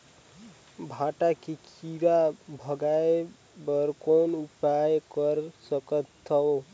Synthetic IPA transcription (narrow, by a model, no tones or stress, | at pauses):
bʱaʈakikʰiɾabʱəɡae | bəɾkonupajkəɾsəkət̪ʰːəw